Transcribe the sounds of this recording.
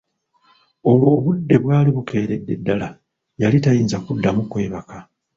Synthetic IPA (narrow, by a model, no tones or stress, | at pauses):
o̞lwoːβudːe̞βwaːliβuke̞ːɾe̞dːe̞dːala | jalitajiːnzakudːamukwe̞ːβaka